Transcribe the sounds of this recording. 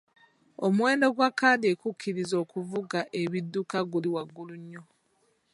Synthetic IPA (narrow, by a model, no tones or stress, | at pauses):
omwe̞ːndo̞ɡwakːaːdekukʰːiɾizo̞ːkuvuɡaʔeβidːukaɡuliwaɡːuluɲːo̞